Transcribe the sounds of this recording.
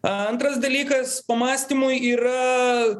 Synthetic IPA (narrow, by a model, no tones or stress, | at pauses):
ɐnt̪ɾɐsd̪ɐlʲiːkɐspɐmɑːsʲt̪ʲimʊjiːɾɐ